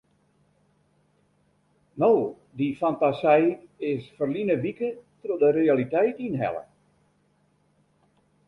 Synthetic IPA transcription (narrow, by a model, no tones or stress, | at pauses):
now | difantasɛjɪsfərlinəʋikətrodərealitɛjtinɦɛ̰lə̰